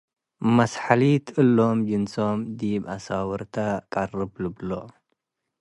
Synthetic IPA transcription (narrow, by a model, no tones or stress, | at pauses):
mɐsħalit̪ɨlːo̞md͡ʒɨnso̞md̪ibasawɨɾt̪ʰakʼɐrɨblɨblo